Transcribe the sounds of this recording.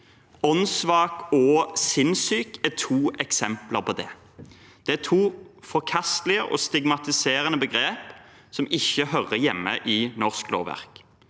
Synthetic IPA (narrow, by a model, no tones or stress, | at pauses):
ɔnsʋɑːkɔsɪnsyːkæt̪ʰuːʔɛksɛmpləʁpʰɔd̪ɛ | d̪̥ɛæt̪ʰuːfɔʁkʰɑst̪lɪəʔɔ̰st̪ɪɡmɑt̪ɪseːɾənəbəɡɾeːp | sɔmɪçːəɦœʁəjɛmːəʔɪnɔʁsklo̰ːʋæ̰ʁk